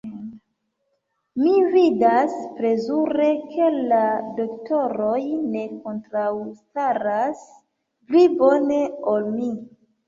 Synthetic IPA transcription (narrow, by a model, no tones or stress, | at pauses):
mividaspɾe̞zuɾe̞kʰe̞lado̞kto̞ɾo̞jne̞kontɾawstaɾas | plibo̞ne̞olmi